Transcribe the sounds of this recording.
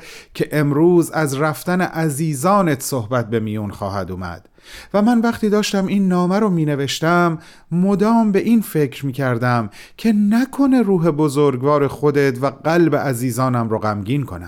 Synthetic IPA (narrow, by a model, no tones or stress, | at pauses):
cʰeʔemɾuːzæzræft̪æneʔæziːzɒːnet̪ʰsohbæt̪̚be̞miːjunχɒ̰ːhæd̪uːmæ̰d̪̥ | væmænvæχt̪iːd̪ɒːʃt̪æmiːnːɒːmæɾomiːne̞veʃt̪æmː | od̪ɒːmbe̞ʔiːnfe̞cʰɾmiːcʰæɾd̪æmcʰe̞nækʰo̞ne̞ɾuːɦe̞bozoɾɡvɒːɾe̞xo̞d̪e̞t̪ʰvæɢælbeʔæziːzɒːnæmɾoɣæmɟiːnkʰo̞̰næ̰m